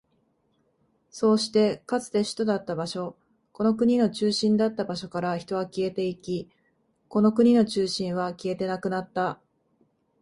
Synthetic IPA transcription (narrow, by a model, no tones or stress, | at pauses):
so̞ːɕi̥t̪e̞kat͡sɨ̥t̪e̞ɕi̥t̪od̪at̪ːabaɕo̞ | ko̞no̞kɯ̟ɲ̟ino̞t͡ɕɨːɕĩnd̪at̪ːabaɕo̞kaɾaçi̥t̪o̞βakʲie̞t̪e̞ikʲi | ko̞no̞kɯ̟ɲ̟ino̞t͡ɕɨːɕĩɰ̃βakʲie̞t̪e̞nakɯ̟nat̪ːa